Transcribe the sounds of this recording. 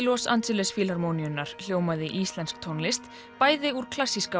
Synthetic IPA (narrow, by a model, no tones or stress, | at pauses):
lɔsa̰nsɪlɛsfiːlaɾmowniʏnːaɾ̥l̥joːwmaðɪʔist̪lɛnskt̪ʰonlɪst̪ | paːjðɪuɾ̥kʰl̥asiska